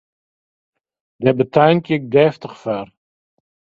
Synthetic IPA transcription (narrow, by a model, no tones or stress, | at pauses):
dɛbətʰajnkjək̚dɛːftəχfar